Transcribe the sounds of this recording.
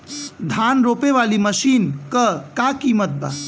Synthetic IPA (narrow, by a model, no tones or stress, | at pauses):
d̪ʱanɾopeʋaliməʃinkəkakimət̪̚ba̰